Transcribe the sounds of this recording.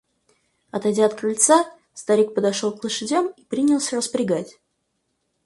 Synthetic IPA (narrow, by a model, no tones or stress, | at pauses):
ɐt̪ɐjdʲaɐt̪̚kɾɨlʲt̪sa | st̪ɐɾʲik̚pəd̪ɐʂolˠklˠəʂɨdʲamipɾʲinʲɪlˠsʲərəspɾʲɪɡatʲ